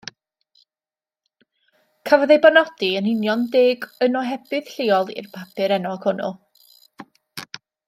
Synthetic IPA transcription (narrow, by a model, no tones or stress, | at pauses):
kʰavɔðejbanɔd̥iənɪnjɔndeːɡənɔɦɛb̥ɨð̥ɬɪɔlˠḭrpʰapʰɨɾɛnɔkʰʊnʊ̰lˠ